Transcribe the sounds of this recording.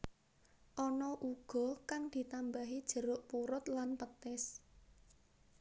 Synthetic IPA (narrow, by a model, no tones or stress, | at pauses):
ʔɔnɔʔuɡ̥ɔ̤kaŋd̪̥i̤t̪ambaɦid̥ʒ̥ə̤ɾʊʔpuɾʊt̪lanpət̪ɪs